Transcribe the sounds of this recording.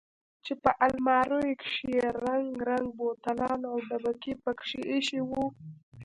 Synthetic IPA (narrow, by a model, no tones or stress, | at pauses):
t͡ʃepəʔalmɑɾojkʃeeɾaŋɡɾaŋɡ̚bot̪alɑnawɖabakipəkʂiʔeʃiwu